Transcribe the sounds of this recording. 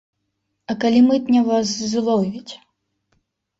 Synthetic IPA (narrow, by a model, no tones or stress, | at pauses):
ɐkalʲimɨt̪nʲɛvas̬zlˠɔwvʲit͡sʲ